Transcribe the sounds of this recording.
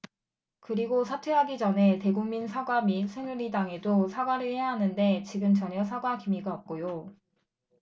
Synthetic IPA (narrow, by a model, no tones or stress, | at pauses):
kɯɾiɡosʰatʰweɦaɡid͡ʑʌne̞te̞ɡuŋminsʰaɡwamisʰɯnuɾidaŋe̞dosʰaɡwaɾɯɭhe̞jaɦanɯnde̞t͡ɕiɡɯmt͡ɕʌɲʌsʰaɡwakimiɡaʌp̚k͈ojo